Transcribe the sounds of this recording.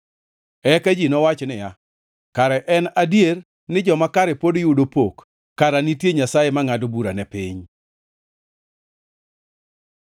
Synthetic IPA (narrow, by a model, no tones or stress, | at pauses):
ɛked͡ʒinɔwat͡ʃnɪja | kaɾɛʔɛnadjer | nɪd͡ʒɔmakaɾepodjudopokː | aɾanitjeɲasajemaŋadobuɾanɛpɪɲ